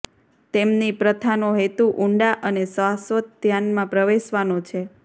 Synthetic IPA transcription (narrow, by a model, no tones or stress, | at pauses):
t̪emnipɾət̪ʰanoɦet̪uʔuɳɖaʔənesʋasʋət̪̚d̪ʱjanmãpɾəʋeʃʋanot͡ʃʰe